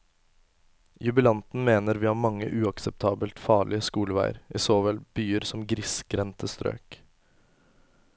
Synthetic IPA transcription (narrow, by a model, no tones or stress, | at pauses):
jʉbəlɑnt̪n̩meːnəɾʋiːhɑːɾmɑŋːə̰ʔʉːɑksɛp̚t̪ʰɑːbəlt̪fɑːɭɪəskuːlʋæ̰ɪə̰ɾʔɪsoːʋɛlb̥yːəɾsɔmɡɾɪsɡɾɛnt̪ʰəst̪ɾø̰ːk